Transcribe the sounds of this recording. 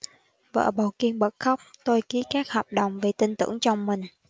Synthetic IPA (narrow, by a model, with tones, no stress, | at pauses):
və̰ː˧˨ɓaː˨˩wki˧ənɓə˨˩t̚xa˦˥wk͡p̚t̪o˧jki˨˦kaː˦˥k̚hɔː˨˩p̚ɗə̰˨˩wŋ͡mve˨˩t̪ï˧ŋ̟t̪ɨ̰˧˥əŋt͡ɕɔ˧wŋ͡mmï˨˩ŋ̟